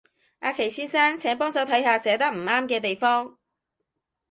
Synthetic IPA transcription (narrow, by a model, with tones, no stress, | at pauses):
ʔaː˨˧kʰe˨˩jsiː˥nsaː˥nt͡sʰɛː˨˥ŋpɔː˥ŋs̬ɐ˨˥wt̪ʰɐ˨˥jhaː˧sɛː˨˥t̪ɐ˥k̚m̩˨˩aː˥mkɛː˧t̪e˨jfɔː˥ŋ